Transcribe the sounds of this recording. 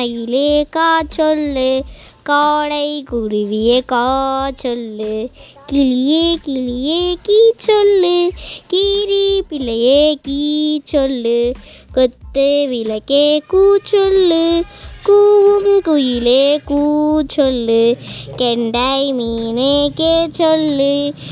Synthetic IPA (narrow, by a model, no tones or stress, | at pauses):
ɐjɪleːkaːt͡ʃɔlːɯkaːɽɐɪkʊɾɪʋɪjekaːt͡ʃɔlːɯkɪlɪjekɪlɪjekiːt͡ʃɔlːɯkiːɾipɪlɐjekiːt͡ʃɔlːɯkɔt̪ːɯʋɪlɐkːekuːt͡ʃɔlːɯkuːʋɯmkʊjɪleːkuːt͡ʃɔlːɯkɛɳɖajmiːneket͡ʃɔlːɯ